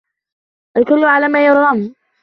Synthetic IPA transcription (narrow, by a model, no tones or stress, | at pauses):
ʔakʊlːʊʕalaːmaːjʊɾˤːɑm